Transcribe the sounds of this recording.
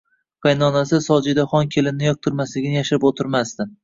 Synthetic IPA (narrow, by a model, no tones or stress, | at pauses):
pajnɒnasɪsɒd͡ʒɪd̪aχɒnkʲʰe̞lɪnnɪjɒk̚t̪ʰʊɾmaslɪɡʲɪnɪjaʃɪɾɪpot̪ʰɪɾmast̪ɪm